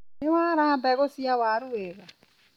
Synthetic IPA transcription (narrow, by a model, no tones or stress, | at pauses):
nɪwaːɾaːbɛɣosiawaːɾuweːka